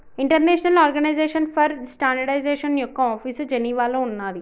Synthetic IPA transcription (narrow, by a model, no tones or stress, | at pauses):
iɳʈɐɾneːʃɐnɐlaːɾɡɐnɐjzeːʂɐnpʰɐɾsʈaːɳɖɐɖɐjzeːʂɐnjɔkːɐaːpʰiːsd͡ʒeniːʋaːloːunːaːd̪i